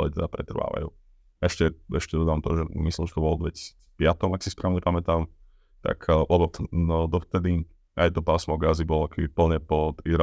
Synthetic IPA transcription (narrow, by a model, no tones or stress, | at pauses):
lḭt̪ɛd̪apɾɛt̪r̩ʋa̰ːʋa̰jṵː | ɛʃcɛɛʃcɛd̪ɔd̪aːamt̪ɔʒɛmislimʃɛ̥t̪ɔbɔld̪ʋɛci̥si̥t͡spɪat̪ɔmaksispɾaʋɲɛpamɛt̪aːm | t̪a̰kʰlɛbɔd̪ɔft̪ɛd̪i | ajt̪ɔpasmɔɡazibɔlɔakɛbipl̩ɲɛpɔt̪iɾa